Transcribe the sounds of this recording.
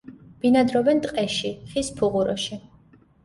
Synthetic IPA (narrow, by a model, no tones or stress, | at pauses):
b̥inad̪ɾɔbɛnt̪ʼqʼɛʃiχispʰuʁuɾɔ̰ʃi